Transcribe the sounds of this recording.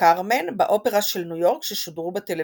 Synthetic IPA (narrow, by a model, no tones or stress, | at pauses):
aʁmenbaʔo̞pe̞ʁaʃelnujo̞ʁkʃeʃodʁubet̪ele